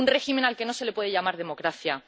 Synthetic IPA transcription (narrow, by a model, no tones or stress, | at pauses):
unre̞ximẽ̞nalke̞no̞se̞le̞pwe̞ð̞eʝamaɾð̞e̞mo̞kɾaθja